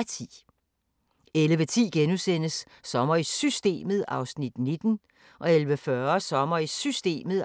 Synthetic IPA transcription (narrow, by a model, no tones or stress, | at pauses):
t͡sʰḭː | eləʋət͡sʰḭːɡ̥enusenəsː | ɒ̽mɐisysd̥e̝̰ːməðˠɑ̈ʊsnid̥ne̝d̥n̩ | ʔɒ̽elʋəfɶɐsɒ̽mɐisysd̥e̝̰ːməð̩ˠ